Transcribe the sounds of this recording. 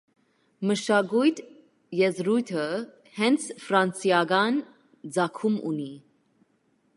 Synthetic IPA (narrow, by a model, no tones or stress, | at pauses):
məʃɑɡujt̪ʰ | jɛzɾujt̪ʰə | hɛnt͡sʰfɾɑnt͡sjɑɡɑn | d͡zɑkʰumṵni